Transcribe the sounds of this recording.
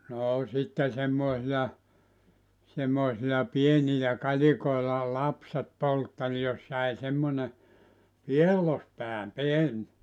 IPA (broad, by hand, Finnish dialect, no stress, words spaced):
noː sitːe semːoˑesijɑ semːoisilɑ pienilæ kɑlikoilɑ lɑpset poltːel jos jæi semːone pielːospæː pien